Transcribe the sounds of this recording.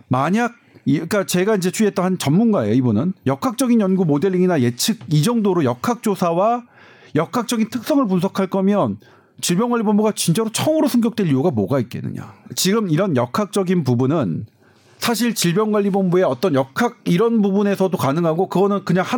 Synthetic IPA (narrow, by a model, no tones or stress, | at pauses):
maɲaɡ̚k͈at͡ɕe̞ɡaind͡ʑe̞t͡ɕʰuiet͈ʌnɦant͡ɕʌmːunɡaeoibunɯnjʌkʰak̚t͡ɕ͈ʌɡinjʌnɡumode̞ɭːiŋinaje̞t͡ɕʰɯɡid͡ʑʌŋdoɾojʌkʰak̚t͡ɕ͈osʰawa | jʌkʰak̚t͡ɕ͈ʌɡintʰɯk̚s͈ʌŋɯɭpuns̬ʰʌkʰaɭk͈ʌmjʌn | t͡ɕiɭbjʌŋɡwaʎːibombuɡat͡ɕint͡ɕ͈aɾot͡ɕʰʌmɯɾosʰʌŋɡjʌk̚t͈we̞ʎːiuɡamoɡait̚k͈e̞nːɯ̰ɲa̰t͡ɕiɡɯmiɾʌnjʌkʰak̚t͡ɕ͈ʌɡinp̬ubunɯn | sʰaɕ̬ʰiɭt͡ɕiɭbjʌŋɡwaʎːibombue̞ʌt͈ʌnjʌkʰaɡ̚iɾʌnbubune̞sʰʌdokanɯŋɦaɡokɯɡʌnɯnkɯɲaŋha